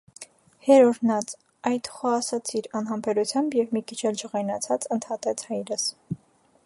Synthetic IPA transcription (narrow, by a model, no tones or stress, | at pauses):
hɛɾɔɾnɑt͡s | ɑjt̪χɔɑsɑt͡sʰiɾɑnɦɑmpʰɛɾut͡sʰjɑmbjɛvmikʰit͡ʃʰɛld͡ʒəʁɑjnɑt͡sʰɑt͡sənt̪ʰhɑt̪ɛt͡sʰhɑjɾəs